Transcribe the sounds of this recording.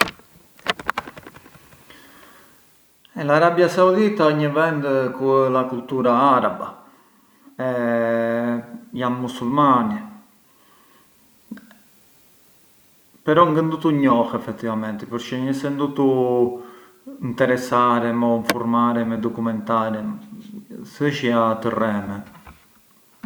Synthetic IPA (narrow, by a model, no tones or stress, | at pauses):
ɛlaɾabjasaud̪it̪aəɲːəvɛnd̪əkulakult̪uːɾaaɾaba̰ | ɛ | janmusulmani | pɛɾɔŋɡənd̪ut̪uɲːɔxɛfːɛt̪ːivamɛnt̪əpuɾt͡ʃɛɲəsɛnd̪ut̪u | int̪ɛɾɛsaɾɛmɔiɱfuɾmaːɾɛmɛd̪ɔkumɛnt̪aːɾɛ | səʃiat̪ərːɛːmə